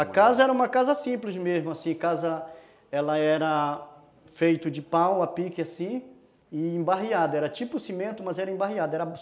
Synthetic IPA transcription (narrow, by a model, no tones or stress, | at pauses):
akazɐɛɾɐũmɐkazɐsĩplɪzmezmʊasĩakazɐ | ɛlɐɛɾɐ | fejt̪ʊd͡ʒɪpɐ̃w̃apikɪasĩ | ɪĩbaɦiad̪ɐɛɾɐt͡ʃipʊsimẽnt̪ʊmɐzɛɾɐĩmbaɦiad̪ɐɛɾɐ